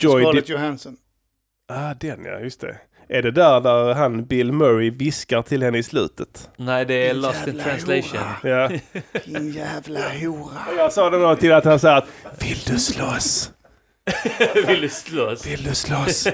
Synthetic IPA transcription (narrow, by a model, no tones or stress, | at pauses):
d͡ʒɔj̪jʊhansɔn | ad̪ɛnja̰jʏst̪ʰɛ̰ | ʔæɖɛd̪æɾd̪æɾɦanbɪlmœɾɪvɪskaʈ̪ʰɪlhɛnːəɪslʉ̟̰ːt̪ət̪nɛɪd̪ɛːlɔst̪ɪ̃nt̪ʰɾansleɪʃɔ̰̃njaː | jæːvlahuːɾaɔjɑːɡsɑːd̪ɛmd̪ot̪ʰɪlat̪hansɑːɾat̪vɪld̪ɵslos | vɪld̪ɵslosvɪld̪ɵslos